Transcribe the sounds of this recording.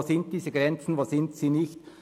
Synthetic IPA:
sɪnt̚d̥iːzəɡʁɛnt͡sn̩voːsɪntsiːnɪçt

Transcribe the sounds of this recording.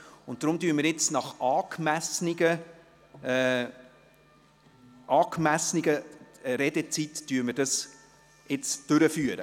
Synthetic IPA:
ʊnt̚dɾʊmdyːməɾjɪt͡snɑχɑːkmæsnɪɡə | ʔɑːkmæsnɪɡəɾɛdet͡sittyːɾməɾdɑs | ɪt͡sd̥ʏɾəfyːəɾə

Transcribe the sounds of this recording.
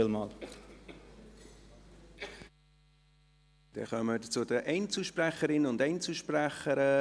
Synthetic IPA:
ɪlmɑːl | d̪̥ɛ̰χœmədət͡suədəʔɛɪnt͡suʃpræχəɾɪnənʊndɛɪnt͡suʃpræχəɾə

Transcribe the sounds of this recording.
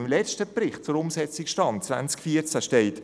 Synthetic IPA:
mlɛt͡stəprɪχt̚t͡sʊɾʊmsɛt͡sɪkʃtɑnt͡sva̰nt͡skfiət͡sæʃteɪt

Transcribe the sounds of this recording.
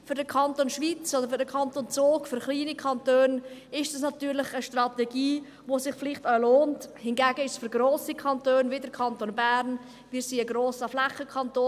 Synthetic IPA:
fʏɾdəkʰɑntonʃvit͡sodəɾfʏɾdəkʰɑntont͡soːkfʏɾχliːnikʰɑntøːnɪʃdɑsnɑtyːɾlɪχəʃtrɑtɛɡiː | vosɪχflɪχtœloːnthɪnɡæːɡəɪʃsfyɾɡroːsikʰɑntøːnvɪdəɾkʰɑntoːnbæɾn | viːɾsiːəɡroːsəflɛχəkʰɑntoː

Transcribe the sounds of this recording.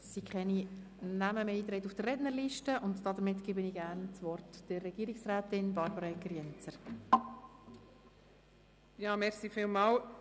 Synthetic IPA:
sikʰχɛni | næməmeiːt̪ɾɛjtufd̥ərɛtnəɾliʃtəʊntd̥ɑd̪əɾmɪtɡ̥ebəniːɡæɾnt͡sʋɔrtd̥ɪrɛɡ̥iːɾiksɾæːt̪ɪnbɑɾbəɾɑɛkːəɾjɛnt͡səɾ | jɑːmɛɾsifiːlmɑːl

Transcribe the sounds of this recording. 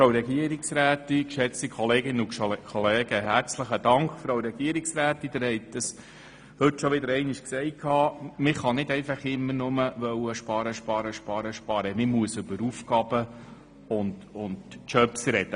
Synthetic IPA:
fɾowɾɛɡiəɾiksɾæːt̪ikʃɛt͡stikχɔleːɡɪnəʊkʰɔleːɡ̥əɦæɾt͡sləχəd̪ɑŋkχfɾowɾɛɡ̥iəɾiksɾæːt̪id̥̪ɪɾhɛɪt̚d̥əs | hɵtːʃɔʋɪd̪əɾɛɪniʃksɛɪkʰɑːmɪχɑnɪd̪ɛɪfɑχɪmːənʊməʋœwəʃpɑɾəʃpɑɾəʃpɑːɾəʃpɑɾəmɪmuəsɵbəɾufɡɑb̥ə | ʊndʊndt͡ʃœpsɾɛd̥ə

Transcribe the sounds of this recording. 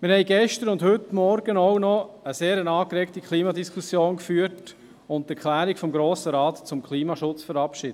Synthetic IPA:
mɪɾhɛɪɡɛʃtəɾʊndhʏtːmɔɾɡ̥ənownɔəseːɾənɑːkɾɛktikʰχliːmɑdiskʰusjoːnkfyːət | ʊnt̚tɛɾkʰlæːɾikfɔmɡɾoːsəɾɑːt̪t͡sʊmkχliːmɑʃʊt͡sfəɾɑpʃɪːd̥ə

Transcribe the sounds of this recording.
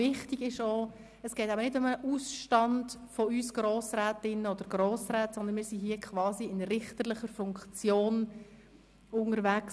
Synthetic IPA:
ɪχtiɡɪʃoː | əsɡ̥ɛːtæbənɪdʊməʔusʃtɑndfɔysɡ̥ɾoːsɾɛːtɪnːəɔd̪əɾɡ̥ɾoːsɾɛːtsɔnd̪ənmɪːɾsiɦiːəkʰχvɑːziɪnrɪχtəɾlɪχəɾfʊŋkt͡sjoːn | ʊŋəɾvæk

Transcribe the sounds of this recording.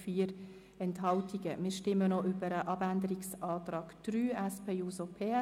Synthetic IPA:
fiːəɾ | ɛnthɑltiɡ̥əmɪːʃtɪmənɔʔʏbəɾəʔɑbændəɾiksɑːtɾɑːɡ̥d̥ɾyːæspʰeːuːsopʰeː

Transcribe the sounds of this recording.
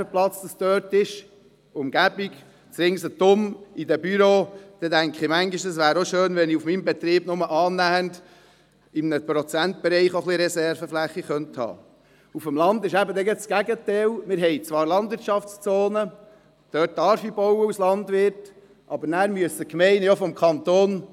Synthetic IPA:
əplɑt͡sd̥̪ɑsd̥̪øːtɪʃ | ʊmɡ̥æb̥iɡ | t͡sɾɪŋsət̪ʊmidɛbyɾoːd̪̥ɛdæŋkχimæŋɡiʃdɑs̬ʋæːɾoʃøːnʋɛniufmimbɛt̪ɾiːb̥nʊməʔɑːnæənd | ɪmnəpɾɔt͡sænt̚bɛɾɛɪχoχliɾɛsɛɾvəflæχːiχœnthɑ̰ː | ufəmlɑnd̪ɪʃæbəd̪ɛɡɛsɡ̥æɡətɛːlmɪɾɦɛɪt͡sʋɑːɾlɑndvɪɾtt͡ʃʃɑft͡st͡soːnə | d̥œːt̚dɑɾfibɔwəuslɑndʋɪɾt | ʔɑbəɾnæːɾmyəsəkmɛɪnəjofɔmkʰɑnt̪oːn

